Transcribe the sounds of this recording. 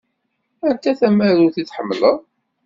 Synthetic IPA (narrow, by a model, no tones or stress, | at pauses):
ænt̪æθæmːəɾʊɾθiθħəmːləðˤ